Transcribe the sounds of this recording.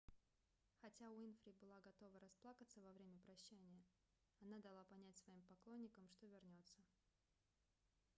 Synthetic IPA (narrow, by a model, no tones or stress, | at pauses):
xɐtʲainfɾʲibɨlˠaɡɐt̪o̞vəɾɐsplˠakət̪səvɐvɾʲemʲəpɾɐɕːænʲɪjə | ɐnad̪ɐlˠapɐnʲætʲsvɐimpɐklˠo̞nʲːɪkəmʂt̪ovʲɪrnʲo̞t̪sə